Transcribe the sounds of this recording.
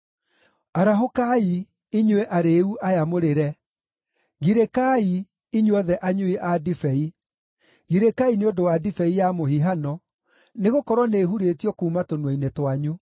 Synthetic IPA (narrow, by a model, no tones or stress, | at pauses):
aɾaɦokai | iɲwɛʔaɾeːuʔajamoɾeɾɛ | ɣiɾekai | iɲwɔðɛʔaɲoiʔadifɛi | ɣiɾekaineodowadifɛijamohiɦanɔ | neɣokɔɾwɔneːɦuɾetiɔkuːmatonwɔinetwaɲu